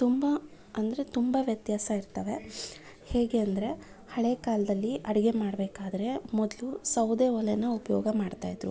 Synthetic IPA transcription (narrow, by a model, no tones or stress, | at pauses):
t̪umbɐ | ɐnd̪ɐɾe̞t̪umbɐʋjɐt̪jaːsɐiɾt̪ɐʋe̞ | heːɡe̞ɐnd̪ɐɾe̞ | hɐɭeːkaːlɐd̪ɐlːiʔɐɽɐɡe̞maːɽbeːkaːd̪ɐɾe̞mɔd̪lusɐwd̪eːɔlenɐupɐjɔːɡɐmaːɖt̪aːjid̪ɾu